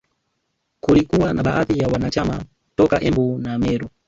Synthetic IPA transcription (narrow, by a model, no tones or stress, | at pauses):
kulikuwanaɓaʔaθijawanat͡ʃama̰ | tɔkaʔɛmbunamɛːɾɔ